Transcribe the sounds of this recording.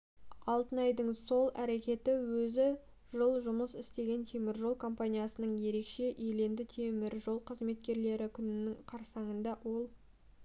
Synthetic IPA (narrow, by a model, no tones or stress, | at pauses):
ɑlˠt̪ənɑjd̪əɴso̞lˠæɾe̞kʲe̞t̪ɪwɵzɪ | ʒəlˠʒʊməsɪst̪e̞ɡʲe̞nt̪ʰe̞mɪɾʒo̞lˠkʰo̞mpanijɑsənəɴje̞ɾe̞kʃe̞ʔele̞nd̪ɪt̪ʰemɪɾʒo̞lˠqʰəzme̞t̪kʲe̞ɾle̞ɾɪkʲʰʏnɪnɪŋqʰɑɾsɑɴənd̪ɑwo̞lˠ